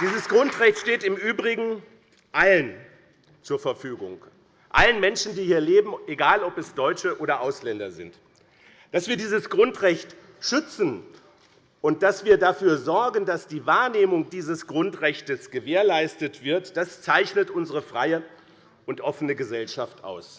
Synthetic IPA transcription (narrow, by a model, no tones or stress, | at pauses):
d̥iːzəsɡ̥ʁʊntʁɛçtʃteːtɪmʔyːbʁɪɡŋ̩ | ʔalən | t͡suːɐfɛɐfyːɡʊ̰ŋ | ʔa̰lənmɛnʃn̩diːhiːɐleːbm̩eɡaːlɔpɛsd̥ɔʏt͡ʃəʔoːɾɐʔaʊslɛndɐ̰zɪ̰nt | d̥asv̥iːɐdiːzəsɡ̥ʁʊntʁɛçt | ʃʏt͡sn̩ | ʔʊnt̚d̥asv̥iːɐdafyːɐzɔɐɡəndasd̥iːvaːɐneːmʊŋd̥iːzəsɡ̥ʁʊntʁɛçtəsɡ̥əveːɐlaɪstətv̥ɪɐtd̥ast͡saɪçnətʔʊnzəʁəfʁ̥aɪə | ʔʊntʔɔfənəɡəzɛlʃaftʔa̰ʊs